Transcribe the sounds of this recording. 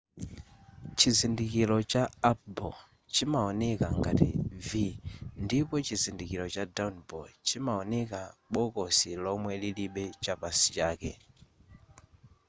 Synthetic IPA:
t͡ʃizindikilɔt͡ʃaap̚bɔ | t͡ʃimaɔnɛkaŋɡa̰tḭvindipɔt͡ʃizindikilɔt͡ʃadanbɔlt͡ʃimaɔnɛkaɓɔkɔsilɔmwɛliliɓɛt͡ʃapasi̥t͡ʃaːkɛ̰

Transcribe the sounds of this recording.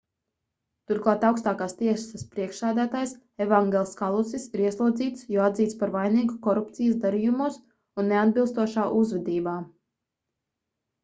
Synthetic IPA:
t̪uɾklˠɑːt̪awkst̪aːkaːst̪iɛssaspɾiɛkʃsæːd̪æːt̪aːjs | ɛvaŋɡʲɛlˠskalˠusisiɾiɛslˠuɔd̪ziːt̪sjɔad̪ziːt̪spaɾvajniːɡukɔɾupt̪sijəsd̪aɾiːjumuɔs | unːead̪̚bilˠst̪uɔʃaːʔuzvɛd̪iːbaː

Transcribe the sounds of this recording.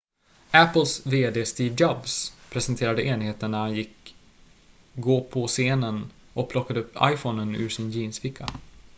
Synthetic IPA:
æpːəlsveːd̪eːst̪iːvd͡ʒɑbspʰɾɛsənt̪ʰeːɾad̪əʔeːnheːt̪əɳnæɾhanjɪk | ɡoːpʰɔseːnən | ʔɔk̚pʰlɔkːad̪əɵpːa̰jfɔnənʉ̟̰ːʂɪnjiːnsfɪkʰːa

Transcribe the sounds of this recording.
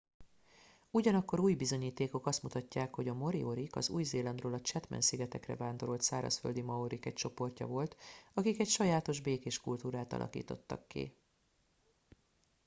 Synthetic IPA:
uɟɒnɒkːo̞ɾuːjbizo̞ɲiːt̪eːko̞kɒst̪mut̪ɒcːaːkho̞ɟɒmo̞ɾḭoɾikɒ̰zuːjzeːlɒnd̪roːlɒt͡ʃɛt̪mɛ̰nsiɡɛt̪ɛkrɛ̰vaːnd̪o̞ɾo̞lt̪saːɾɒ̰sføld̪imɒoɾikɛc̚t͡ʃo̞po̞rcɒ̰vo̞lt̪ɒkikɛcʃɒjaːt̪o̞ʒbeːkeːʃkult̪uːɾaːt̪ɒ̰lʔɒ̰kḭːt̪ot̪ːɒ̰kːḭ

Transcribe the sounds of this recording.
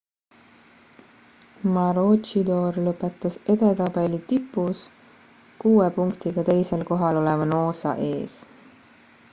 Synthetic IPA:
mɑɾott͡ʃid̪o̞ːɾlɤpːˑe̞t̪ːˑɑse̞d̪e̞t̪ɑbe̞lit̪ipːˑus | kuːepuŋkt̪iɡ̥ɑt̪e̞jse̞lko̞ɦɑlo̞levɑno̞ːsɑ̰ʔe̞ːs

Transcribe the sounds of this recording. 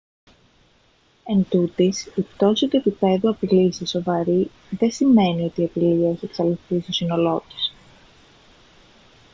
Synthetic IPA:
e̞nd̪ut̪isipt̪o̞sit̪ue̞pipe̞ðuɐpilisiso̞vɐɾi | ðe̞sime̞nio̞t̪iɐpiliɐeçieksɐliθθist̪o̞sino̞lo̞t̪i̥s

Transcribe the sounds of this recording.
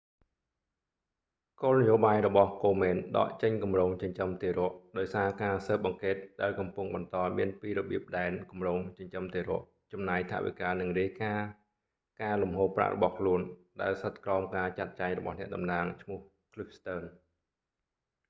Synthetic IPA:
koːlnəjoːɓaːjrɔɓɑhkoːmɛːnɗɑ̰ːʔt͡ɕəɲkumroːŋt͡ɕəɲt͡ɕəmt̪eːɾŏəʔɗaɔjsaːkaːsəːp̚ʔɑŋkeːt̪̚ɗaɛlkɑmpʊŋɓɑnt̪ɑːmiənpiːɾɔɓiəp̚ɗaɛnkumroːŋt͡ɕəɲt͡ɕəmt̪eːɾŏəʔ | t͡ɕɑmnaːjt̪ʰa̰ʔʋḭkaːnɨŋriəjkaː | kaːlumɦoːpːra̰ʔrʔɔ̰ɓɑhkʰluənɗaɛlsət̪̚krɑɔmkaːt͡ɕat̪̚t͡ɕaɛŋrɔɓɑ̰hnɛ̆əʔɗɑmnaːŋt͡ɕʰmʊ̆əh | kʰlipst̪əːn

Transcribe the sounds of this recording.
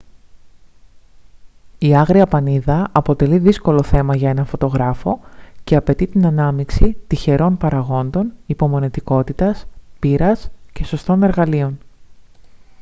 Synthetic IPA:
iɐɣɾiɐpɐniðɐɐpo̞t̪e̞liðisko̞lo̞θe̞mɐʝɐe̞nɐnfo̞t̪o̞ɣɾɐfo̞ce̞ɐpe̞t̪it̪inɐnɐmiksit̪içe̞ɾo̞npɐɾɐɣo̞nd̪o̞nipo̞mo̞net̪iko̞t̪it̪ɐspiɾɐsce̞so̞st̪o̞ne̞ɾɣɐlio̞n

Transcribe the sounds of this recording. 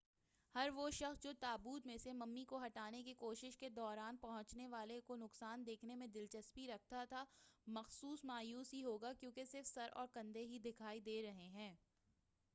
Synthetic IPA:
hɐɾʋoʃɐxsd͡ʒoːt̪aːbuːd̪mẽsemɐmːikoɦɐʈaːnekikoːʃɪʃked̪ɔːɾaːnpɐɦʊ̃t͡ʃneʋaːlekonʊqsaːnd̪eːkʰnemẽd̪ɪlt͡ʃɐspiɾɐk̚t̪at̪ʰamɐxsuːsmaːjuːsɦiɦoːɡakjõːkesɪɾfsɐɾʔɔ̰ːɾkɐ̃nd̪eɦid̪ɪkʰaːid̪eːɾɐɦeɦɛ̃ː

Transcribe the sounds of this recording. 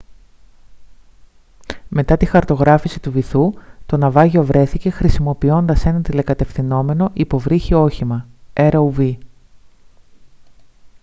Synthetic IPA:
me̞t̪ɐt̪ixɐɾt̪o̞ɣɾɐfisi̥t̪uviθut̪o̞nɐvɐʝo̞vɾe̞θice̞xɾisimo̞pio̞nd̪ɐse̞nɐt̪ile̞kɐt̪e̞fθino̞me̞no̞ʔipo̞vɾiçio̞çimɐeɾuvi

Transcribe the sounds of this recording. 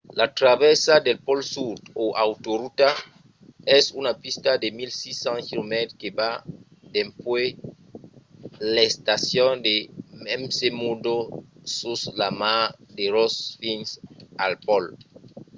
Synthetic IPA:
lat̪ɾaβesadelpɔlsud̪oʔawt̪oɾut̪a | ɛsunapist̪ademilsisãnkilomɛt̪ɾkeba | d̪empwe | laest̪asjond̪emɛmsemudosuslamad̪eɾosfinsalpɔl

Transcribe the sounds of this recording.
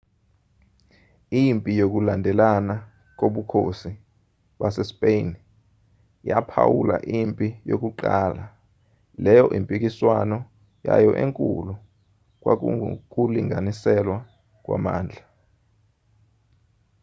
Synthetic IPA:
impʼijok̬ulandʱɛlana | k̬oɓukʰosi | ɓasɛspʼen | japʰa̰wula̰ʔimpʼijok̬uǃaːla | lɛjɔʔimpʼik̬iswanɔ | ja̰jɔʔeŋkʼṵlu | k̬ʼwak̬kuliŋʱanisɛlwa | k̬ʼwa̰ma̰ːnd͡ɮʱa

